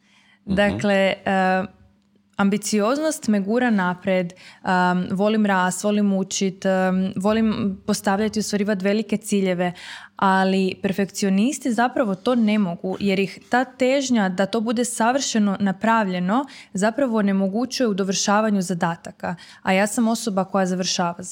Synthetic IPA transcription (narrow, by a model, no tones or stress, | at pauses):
d̪akle̞ | ambit̪sio̞znost̪meɡuːɾanapɾed̪əʋo̞limɾaːst̪ʋo̞limut͡ʃit̪ʋo̞limpo̞st̪aʋʎat̪iust̪ʋaɾiːʋat̪̬ʋe̞like̞t̪siːʎe̞ʋe̞alipe̞ɾfe̞kt̪sio̞nist̪izapɾaʋo̞t̪o̞ːne̞mo̞ɡuje̞ɾjixt̪aːt̪e̞ʒɲad̪at̪o̞ːbud̪e̞saʋr̩ʃeno̞napɾaʋʎe̞no̞zapɾaʋo̞ːne̞mo̞ɡut͡ɕuje̞ud̪o̞ʋr̩ʃaːʋaɲuzad̪aːt̪aka | ajaːsamo̞so̞bako̞jazaʋr̩ʃaːʋa